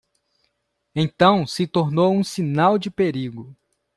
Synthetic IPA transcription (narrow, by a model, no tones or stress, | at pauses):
ẽt̪ɐ̃w̃sɪt̪oɾnowũsĩnawd͡ʒɪpeɾiɡʊ